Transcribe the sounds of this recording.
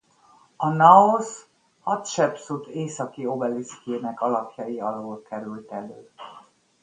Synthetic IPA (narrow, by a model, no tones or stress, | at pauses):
ɒnɒos | hɒt̪ʃɛpsut̪eːsɒkio̞bɛliskeːnɛkɒlɒpjɒjiɒloːlkɛɾylt̪ɛløː